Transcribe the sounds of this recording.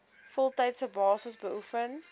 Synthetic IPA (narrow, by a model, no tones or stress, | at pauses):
fɔlˠtɐjtsəbɑːsəsbəʔufən